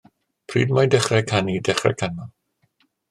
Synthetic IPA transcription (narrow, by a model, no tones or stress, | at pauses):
pʰrḭːdmajdɛχrɛkʰanidɛχrɛ̰kʰanɔ